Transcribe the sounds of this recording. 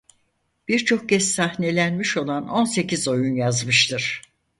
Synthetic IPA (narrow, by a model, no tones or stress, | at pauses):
b̥iɾt͡ʃʰo̞k̚cɛssahne̞lʲænmiʃo̞lˠano̞nse̞cizo̞junjazmɯʃt̪ʰɯɾ̥